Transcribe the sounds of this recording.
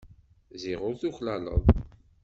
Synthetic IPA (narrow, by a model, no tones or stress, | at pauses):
ziʁʊɾθuxlælə̰ðˤ